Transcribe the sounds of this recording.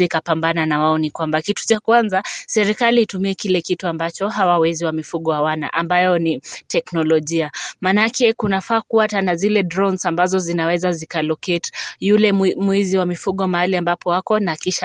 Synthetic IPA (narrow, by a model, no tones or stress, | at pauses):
ikapambananawaɔnikwambakitu̥t͡ʃakwanzasɛɾikaliːtumiɛkilɛkituambat͡ʃɔɦawawɛziwamifuɠɔwawana̰ʔambajɔnitɛknɔlɔʄiamanaakʰɛkunafaːkuatanazilɛdɾɔnsambazɔzinawɛzazikalɔketjulɛmwiziwamifuɠɔmaaliambapɔwakɔnakiʃa